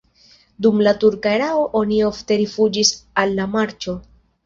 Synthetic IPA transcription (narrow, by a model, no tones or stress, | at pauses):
dumlatuɾkaeɾaoʔo̞nio̞fte̞ɾifud͡ʒisalːamaɾt͡ʃo̞